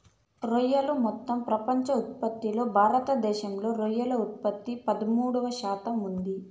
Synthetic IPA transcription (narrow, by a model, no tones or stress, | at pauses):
ɾojːɐlumɔt̪ːɐmpɾɐpɐɲt͡ʃɐut̪̚pɐt̪ːilo̞ːbʱaːɾɐt̪ɐd̪ɛːʃɐmlo̞ːɾojːɐlɐut̪̚pɐt̪ːipɐd̪ɐmuːɽɐʋɐʃaːt̪ɐmund̪i